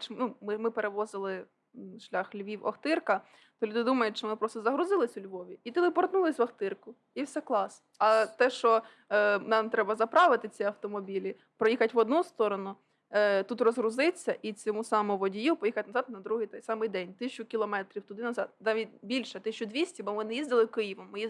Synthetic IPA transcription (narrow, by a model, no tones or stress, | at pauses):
t͡ʃnumɪmɪpeɾeʋɔzɪlˠɪ | ʃlʲɑxlʲʋʲiwɐ̰xt̪ɪrkɐ | t̪ɔlʲud̪ɪd̪umɐjʊt̪ʲʃt͡ʃɔmɔmɪpɾɔst̪ɔzɐɦɾʊzɪlˠɪsʲʊlʲʋɔʋʲiit̪ɪlˠɪpɔrt̪nulˠɪsʲʋɐxt̪ɪrkʊ | iwsʲɛklˠɑs | ɐt̪ɛʃt͡ʃɔ | nɑmt̪ɾɛbɐzɐpɾɑʋɪt̪ɪt͡sʲiɐwt̪ɔmɔbʲilʲi | pɾɔjixɐtʲʋɔd̪nust̪ɔɾɔnʊ | t̪ut̪rɔzɦɾʊzɪt͡sʲːɐʔit͡sʲɔmusɑmʊʋɔdʲijupɔjixɐtʲnɐzɑt̪nɐd̪ɾuɦɪjt̪ɛjsɑmɪjd̪ɛnʲt̪ɪʃt͡ʃʊkʲiɪlˠɔmɛt̪ɾʲiwt̪ʊd̪ɪnɐzɑd̪̚nɑʋʲitʲbʲilʲʃɛt̪ɪʃt͡ʃʊd̪ʋʲisʲtʲibɔmɪnɛjizd̪ɪlˠɪkɪjiʋɔmːɪji